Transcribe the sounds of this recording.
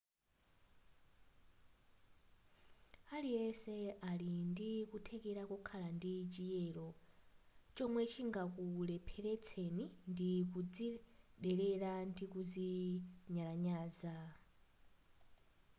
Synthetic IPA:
alijɛsɛalindikutʰɛkɛɾakɔkʰalandit͡ʃijɛɺɔ | t͡ʃɔmwɛt͡ʃʰiŋɡakulɛpʰɛɾɛt͡sʰenindikud͡ziɗɛɾɛɺandikud͡ziɲalaɲaːza

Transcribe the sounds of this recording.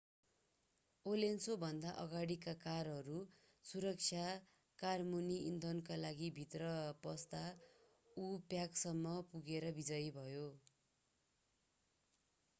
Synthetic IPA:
olensobʱʌnd̪aʔʌɡaɽikakarɦʌɾu | suɾʌk̚t͡ʃʰja | karmuniind̪onkalaɡibʱit̪rʌpʌst̪a | upjaksʌmːʌpuɡeɾʌbid͡zʌjbʱʌjo

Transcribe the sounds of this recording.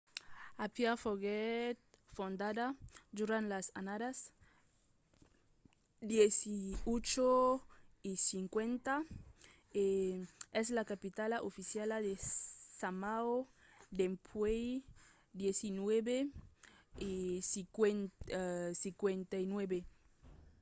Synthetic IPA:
apjafoɣet̪̚fond̪aðad̪uɾãnlasanaɾas | d̪jesiot͡ʃo | isiŋkwent̪a | eez̬lakapit̪alaʔofisjalaðesamao | d̪empʰwej | d̪jesinweβe | isikwen | sikwent̪ajnweβe

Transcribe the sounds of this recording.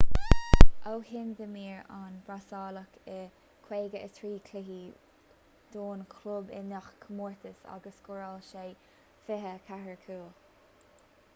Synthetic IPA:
ʔowhɪnd̪əmiːɹanbɹasɑːləkʰə | kʰweːɡəət̪ʰɹiːkʰlɪɦi | d̪̥oːnkʰlʊbɪ̰naxkʰəmuːɹt̪ʰəsa̰ɡəskɔɹalʃeː | fɪɦəkʰahəɹkʰuːl

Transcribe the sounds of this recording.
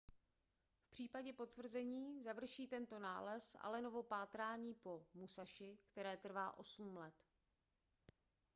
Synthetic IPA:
fpr̥iːpaɟɛpo̞t̪vr̩zɛɲiːzavr̩ʃiːt̪ɛnt̪o̞naːlɛsa̰lɛno̞vo̞paːt̪ɾaːɲiːpo̞musaʃɪkt̪ɛɾɛːt̪r̩va̰ːʔo̞sm̩lɛt̪

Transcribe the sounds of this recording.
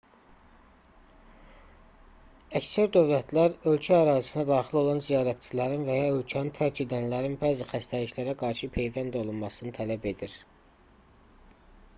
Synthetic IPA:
æcsæɾd̪ø̞vlæt̪ʰlæɾø̞lcʰæːɾɑːzi̥sinæd̪ɑːχilo̞lˠɑnzijɑːɾæt̪̚t͡ʃʰilæɾinvæjɑø̞lcʰænint̪ʰæɾt͡ʃid̪ænlæɾinbæːzixæst̪ʰæliʃlæɾæɡɑɾʃɯpʰe̞jvænd̪o̞lˠunmɑsɯnɯt̪ʰælæbe̞d̪iɾ

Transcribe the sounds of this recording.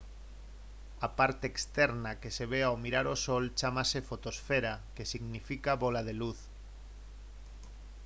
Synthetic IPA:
apaɾt̪eːkst̪eɾnakeseβ̞eaomiɾaɾosolt͡ʃamasefot̪osfeɾakesiɣnifikaβolað̞eluθ

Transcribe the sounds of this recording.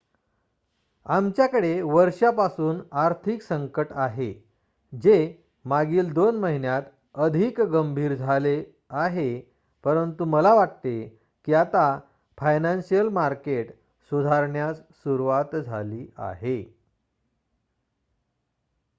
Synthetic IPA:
amt͡ɕjakəɽeʋəɾʂapasuːnaɾt̪ʰiksəŋkəʈaɦe | d͡ʑe | maɡiːld̪onməɦinjat̪ | əd̪ʱikɡəmbʱiːɾd͡zʱale | aɦe | pəɾənt̪uməlaʋaʈt̪e | kiat̪a | fajnansijəlmaɾkeʈ | sud̪ʱaɾɳjat͡ssuɾuʋat̪d͡zʱa̰liːa̰ɦe

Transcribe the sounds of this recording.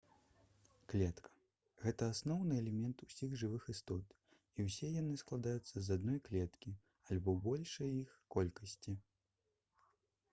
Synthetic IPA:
klʲɛt̪kʰɐ̥ | ɣɛt̪ɐasnɔwnɨɛlʲɛmʲɛnt̪usʲiɣʐɨvɨxist̪ɔt̪ | iwsʲɛjan̪ɨsklˠad̪ajut̪sːɐzad̪nɔjklʲɛt̪kʲi | alʲbɔbɔlʲʂɐjixkɔlʲkɐsʲt͡sʲi

